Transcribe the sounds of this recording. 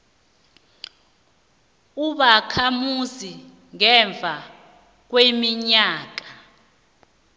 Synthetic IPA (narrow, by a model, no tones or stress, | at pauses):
uɓakʰamuzi | ŋɛɱb̪vʱa | k̬wemiɲaːk̬ḁ